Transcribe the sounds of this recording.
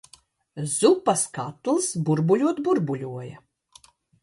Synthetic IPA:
zupaskat̪lˠsbuɾbuʎʲuɔt̪buɾbulʲuɔjɐ

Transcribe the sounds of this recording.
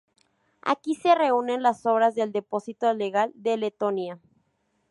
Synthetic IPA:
a̰kise̞re̞une̞nlaso̞βɾazðeld̪e̞po̞sit̪ole̞ɣald̪e̞le̞t̪o̞nja

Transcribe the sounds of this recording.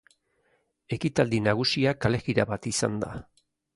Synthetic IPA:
e̞kit̪ald̪inaɣ̞usiakale̞ɣiɾaβat̪isa̰nd̪a̰

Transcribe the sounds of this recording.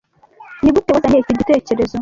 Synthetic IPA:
niβutewazaneciɟiteːce̞ɾe̞zo

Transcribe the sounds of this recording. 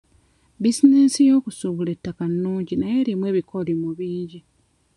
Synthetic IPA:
bisinesijo̞ːkusuβule̞tːakanːuːɲɟinaje̞limwe̞ːβikolimuβiːɲɟi

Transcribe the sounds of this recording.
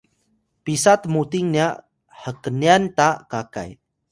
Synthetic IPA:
pisat̪mut̪iŋniaʔ | həkəniant̪akaka̰j

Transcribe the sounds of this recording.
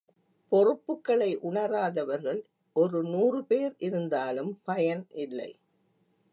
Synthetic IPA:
pɔrɯpːɯkːɐɭɐɪʔʊɳɐɾaːðɐʋɐɾɣɐɭ | ʔɔɾɯnuːrɯpeːɾʔɪɾɯnd̪aːlɯmpɐjɐnʔɪlːɐ̰ɪ

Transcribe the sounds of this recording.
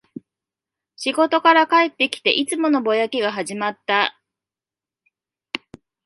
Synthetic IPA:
ɕiɡo̞t̪o̞kaɾakae̞t̪ːe̞kʲi̥t̪e̞̰ʔit͡sɨmo̞no̞bo̞jakʲiɡaɦaʑimat̪ːa

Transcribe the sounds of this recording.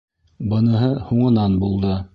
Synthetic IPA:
bɤ̆nɤ̆ɦɤhuɴɤ̆nɑnbulˠd̪ɤ

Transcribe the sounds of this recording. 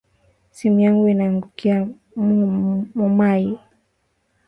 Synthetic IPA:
simujaŋɡuinaːŋɡukia | mmɔmajɛ

